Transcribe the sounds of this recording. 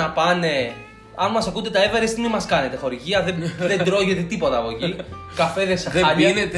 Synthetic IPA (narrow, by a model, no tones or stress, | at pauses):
ɐpɐne̞ | ɐnmɐsɐkund̪e̞t̪ɐeveɾest̪imimɐskɐne̞t̪e̞xo̞ɾiʝiɐðeðend̪ɾo̞ʝe̞t̪et̪ipo̞t̪ɐːpoci | kɐfe̞ðesenet̪